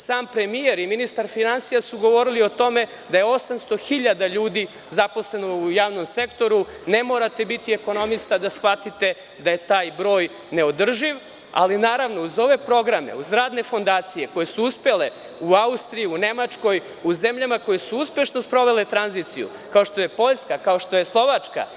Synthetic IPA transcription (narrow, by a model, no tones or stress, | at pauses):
saːmpɾe̞mije̞ɾiminist̪aɾfinansijasuɡo̞ʋo̞ɾilio̞t̪o̞me̞ | d̪ajeo̞samst̪o̞xiʎad̪aʎuːd̪i | zapo̞sle̞noujaːʋno̞mse̞kt̪o̞ɾu | ne̞mo̞ːɾat̪e̞bit̪ie̞ko̞no̞mist̪ad̪asxʋat̪it̪e̞ | d̪aje̞t̪aːjbɾo̞ːj | ne̞o̞d̪r̩ʒiʋ | a̰linaːɾaʋno̞uzo̞ʋe̞pɾo̞ɡɾamḛuzɾaːd̪ne̞fo̞nd̪aːt̪sije̞ko̞je̞suuspe̞le | uaust̪ɾijiune̞mat͡ʃko̞j | uze̞mʎamako̞je̞suuspje̞ʃno̞spɾo̞ʋe̞le̞t̪ɾanzit̪sijṵ | kaoʃt̪o̞je̞po̞ʎskakao̞ʃt̪o̞je̞slˠo̞ʋat͡ʂka̰